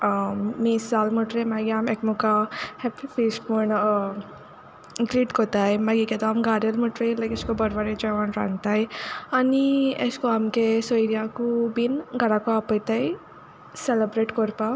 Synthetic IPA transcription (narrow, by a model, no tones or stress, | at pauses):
misalməʈɾemaɡiamekmukahepifisʈməɳ | ɡliʈkʰot̪ajmaɡikɛt̪ɔamɡaɾjəlməʈɾejlajkəskobəɾʋaɾed͡ʑajʋaɳʈɾã̰ŋɡt̪ajanieskoamkesoiɾjakubinɡaɽakuapəjt̪aj | selebɾeʈkɔɾpa